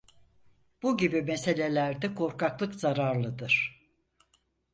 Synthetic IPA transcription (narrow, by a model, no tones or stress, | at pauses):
b̥uɟibimese̞lʲe̞lʲæɾd̪ɛkʰo̞ɾkʰaklˠɯkzaɾaɾlˠɯd̪ɯɾ̥